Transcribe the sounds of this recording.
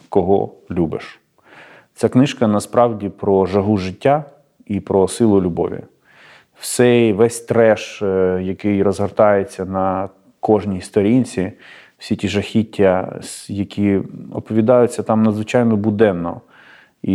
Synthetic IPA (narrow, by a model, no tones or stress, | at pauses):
kɔɦɔ̰lʲubɪ̰ʃ | t͡sʲaknɪʃkɐnɐspɾɑwdʲipɾɔʒɐɦuʒɪtʲːa | ipɾɔsɪlˠʊlʲubɔ̰ʋʲḭ | wsɛjʋɛsʲt̪ɾɛʃjɐkɪjɾɔzɦɐrt̪ɑjet͡sʲːɐnɐ | kɔʒnʲist̪ɔɾʲinʲt͡sʲi | wsʲitʲiʒɐxʲitʲːɐjɐkʲiɔpɔʋʲid̪ɑjʊt͡sʲːɐt̪ɑmnɐd̪zʋɪt͡ʃɑjnɔbʊd̪ɛnːɔ̰ | i